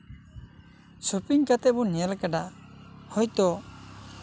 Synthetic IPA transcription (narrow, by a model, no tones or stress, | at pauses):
supiŋkat̪ɛbɔnɛlkaɖahɔjt̪ɔ